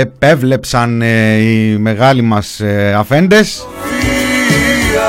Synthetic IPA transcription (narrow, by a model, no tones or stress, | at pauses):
epe̞vle̞psɐnime̞ɣɐlimɐsɐfe̞nd̪e̞s